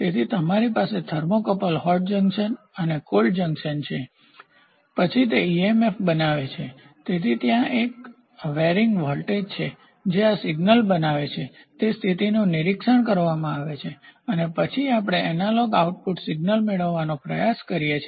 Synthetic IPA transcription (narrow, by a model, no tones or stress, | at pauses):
t̪et̪ʰit̪əmaɾipased̪ʰʱəɾmokəpəlɦɔʈ̚d͡ʒəŋɡʃən | ənekold͡ʒəŋɡʃənt͡ʃʰe | pət͡ʃʰit̪eiemefbənaʋet͡ʃʰe | t̪et̪ʰit̪jãʔek̚ | ʋeɾiŋɡʋɔlʈed͡ʒt͡ʃʰe | d͡ʒeasɪɡnəlbənaʋet͡ʃʰet̪est̪ʰit̪inuniɾikʃəɳkəɾʋamãaʋet͡ʃʰeənepət͡ʃʰiapɽ̃eʔɛnaloɡauʈ̚puʈsɪɡnəlmeɭəʋːanopɾəjaskəɾijet͡ʃʰe